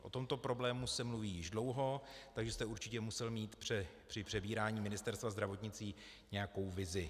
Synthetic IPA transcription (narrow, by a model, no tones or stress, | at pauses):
ʔo̞̰t̪o̞mt̪o̞pɾo̞blɛːmusɛmluviːjɪʒdlo̞wɦo̞t̪aɡʒɛst̪ɛuɾt͡ʃɪcɛmusɛlmiːt̪pr̥ɛpr̥ɪpr̝̥ɛbiːɾaːɲiːmɪnɪst̪ɛɾst̪vazd̪ɾavo̞t̪ɲɪt͡siː | ɲɛjako̞wvɪzɪ